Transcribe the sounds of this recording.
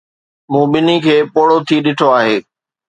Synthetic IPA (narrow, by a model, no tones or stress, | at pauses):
mũːɓɪnikʰeːpoːɽot̪ʰiɗɪʈʰoaːɦeː